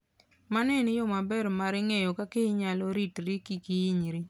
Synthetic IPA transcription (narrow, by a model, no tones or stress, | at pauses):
manɛnjomabɛɾmaɾɪŋejɔkakɪɲaloɾitɾikikiiɲɾi